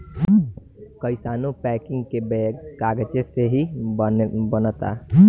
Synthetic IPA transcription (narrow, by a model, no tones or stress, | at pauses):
kəɪsaːnupɛkɪ̃ŋɡkebɛɡkaɡət͡ʃeseɦi | bənət̪a̰